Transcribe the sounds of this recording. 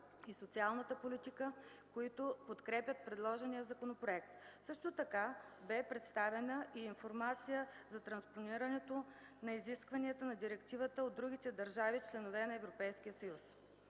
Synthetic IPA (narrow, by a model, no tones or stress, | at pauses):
isot̪sialˠnət̪əpolit̪ikəkoit̪opot̪kɾɛpʲjət̪̚pɾɛd̪lˠɔʒɛnijəzɐkonopɾoɛk̚t̪sɤʃt̪ot̪ɐkabɛpɾɛt̪st̪avɛnəʔiːnfoɾmat̪sijəzɐt̪ɾɐnsponiɾɐnɛt̪o | nɐiziskvɐniɛt̪ənɐd̪iɾɛkt̪ivət̪əod̪ɾuɡit̪ɛd̪ɐɾʒavit͡ʃlɛnovɛnɐɛvɾopɛjsk̟ijəsɐjus